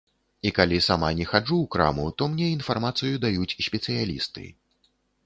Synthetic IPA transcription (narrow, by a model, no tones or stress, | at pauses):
ikalʲisamanʲɛxad͡ʐuːkɾa̰mut̪ɔmnʲɛinfarmat̪sɨjud̪ajut͡sʲsʲpʲɛt̪sɨjalʲḭst̪ɨ̰